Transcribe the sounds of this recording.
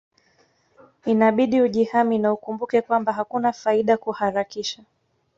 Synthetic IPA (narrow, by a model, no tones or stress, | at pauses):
inaɓiɗiuʄihaminaukumbukɛkwambaɦakunafaiɗakuhaɾakiʃa